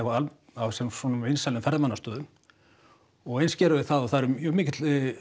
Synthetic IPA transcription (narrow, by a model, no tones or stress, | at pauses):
ɛvaal | awsɛsɔnʏmvejnsalɪnfɛɾðmanːast̪œːðʏm | ɔɣejnscɛːɾʏvɪθaðɔθaðɾʏmjmɪːcɪt̪l